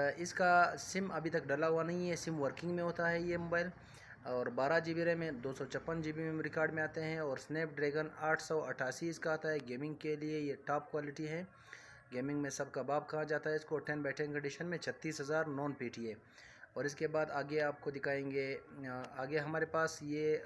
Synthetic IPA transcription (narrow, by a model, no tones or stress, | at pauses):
ɪskasɪmɐbʱit̪ɐkɖɐlaɦuwanɐɦĩɦɛsɪmʋəɾkɪ̃ŋɡmẽɦoːt̪aɦɛjemoːbaːɪl | ɔːɾbaːɾad͡ʒiːbiɾemẽd̪oːsɔt͡ʃʰɐpːənd͡ʒiːbimẽɾɪkaːɾɖmẽaːt̪eɦɛ̃ɔːɾsneːp̚ɖɾeːɡənaːʈʰsɔːɐʈʰːaːsiɪskaaːt̪aɦɛɡeːmɪ̃ŋɡkeliejeʈaːp̚kwaːlɪʈiɦɛː | ɡeːmɪ̃ŋɡmẽsɐb̚kabaːb̚kɐɦad͡ʒaːt̪aɦɛɪskoʈɛ̃nbɛːʈʰẽŋkɐ̃ɳɖiːʃənmẽt͡ʃʰɐt̪ːiːsɦɐzaːɾnɔːnpiːʈʰiɦeː | ɔːɾɪskebaːd̪aːɡeaːp̚kod̪ɪkʰaːẽːŋɡeːaːɡeɦɐmaːɾepaːsje